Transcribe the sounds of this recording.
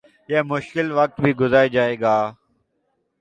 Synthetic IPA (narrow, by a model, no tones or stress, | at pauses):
jeːmʊʃkɪlʋək̚t̪bʱiːɡʊzaːeːd͡ʒaːeːɡaː